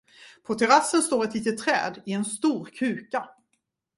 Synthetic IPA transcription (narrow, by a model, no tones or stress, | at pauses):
pʰɔt̪ʰɛɾasːənst̪oːɾɛt̪liːt̪ət̪ʰːɾɛ̰ːd̪ɪɛnst̪uːɾkʰʉ̟ːka